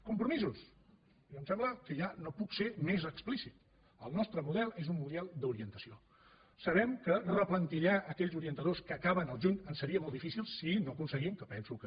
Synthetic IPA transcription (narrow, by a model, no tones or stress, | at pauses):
kumpɾumizus | əmsɛmbləkəʒanopuksemezəksplisit̪ | əlˠnɔst̪ɾəmuðɛlˠezummund̪iɛlˠd̪uɾiənt̪əsio | səβɛmkərəplənt̪iʎaəkɛʎzuɾiənt̪əðoskəːkaβənəlˠʒuɲənsəɾiəmolˠd̪ifisilˠssinokunsəɣimkəpɛnsukə